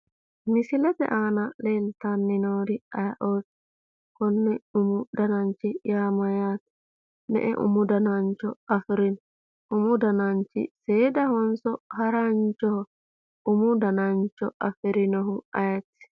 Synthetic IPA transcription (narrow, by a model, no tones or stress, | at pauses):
mɪsɪlɛt̪ɛ̰ʔaːnɐleːlt̪anːɪnoːd̪ɪɐjɐʔoːt̪ | kɔnːɛʊmʊd̪ɐnɐnt͡ʃːɪjaːmɐjaːt̪ | nɛ̰ʔɛ̰ʔʊ̰mʊd̪ɐnɐnt͡ʃːɔɐfɪɾɪn | ʊmʊd̪ɐnɐnt͡ʃɪ̰seːd̪ɐhɔnsɔhɐɾɐnt͡ʃːɔhɔ | ʊmʊd̪ɐnɐnt͡ʃːɔɐfɪɾɪnɔɦʊɐjɐtːɪ̥